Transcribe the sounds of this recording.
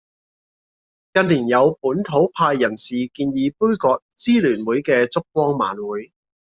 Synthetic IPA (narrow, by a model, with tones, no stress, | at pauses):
kɐ˧nliː˨˩njɐ˨˧wpuː˨˥nt̪ʰo˨˥wpʰaː˧jːɐ˨˩nsiː˨kiː˧njiː˨˧puː˥jkɔː˧k̚t͡siː˥lyː˨˩nwuː˨˥jkɛː˧t͡sʊ˥k̚kwɔː˥ŋma̰ː˨˥nwuː˨˥j